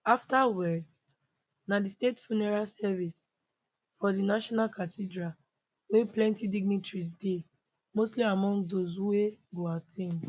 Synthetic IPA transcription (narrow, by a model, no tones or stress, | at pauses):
aftawɛd | nadistetfunɛɹalsɛvis | fɔdinaʃɔnalkʰatidɹa | weplɛ̃ntidiɡnitɹisde | mostliamɔ̃ŋɡdozuweɡoatʰẽn